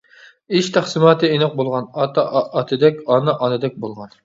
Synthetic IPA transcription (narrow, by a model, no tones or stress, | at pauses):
iʃt̪ʰæχsɨmɑːt̪ɨinɨq̚bolˠʁɑnɑt̪ɑʔːt̪ʰɨd̪ɛkʲɑnɨʔɑnɨd̪ɛk̚ʲbolˠʁɑn